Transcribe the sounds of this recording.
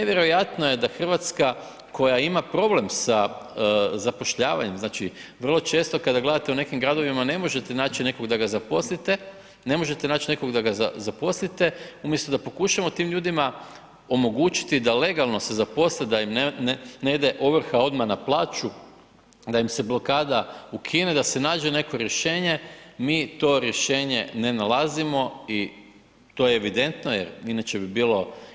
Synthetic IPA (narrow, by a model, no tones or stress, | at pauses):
neʋje̞ɾo̞jat̪noje̞d̪axr̩ʋat̪ska | kʰo̞jaimapɾo̞ble̞msa | zapo̞ʃʎaːʋa̰ɲe̞mznaːt͡ʃi | ʋər̩lˠo̞t͡ʃe̞ːst̪o̞kad̪aɡled̪at̪e̞une̞kimɡɾad̪o̞ʋimane̞mo̞ʒe̞t̪enaːt͡ʃine̞ko̞ɡd̪aɡazapo̞slit̪e | ne̞mo̞ʒe̞t̪enaːt͡ʃineko̞ɡd̪aɡazazapo̞slit̪e̞umjest̪od̪apo̞kuʃamo̞t̪iːmʎuːd̪ima | o̞mo̞ɡuːt͡ʃi̥t̪id̪ale̞ɡalˠno̞se̞zapo̞sled̪aimned̪e̞ʔoʋr̩xao̞d̪manaplˠaːt͡ʃu | d̪aimse̞blo̞kaːd̪aukʰined̪ase̞naːd͡ʑe̞ne̞ko̞ɾje̞ʃe̞ːɲe̞miːt̪o̞ɾje̞ʃe̞ːɲe̞̰ne̞nalˠazimo̞i | t̪o̞jeːʋid̪e̞nt̪no̞jeɾinat͡ɕe̞bibiːlo̞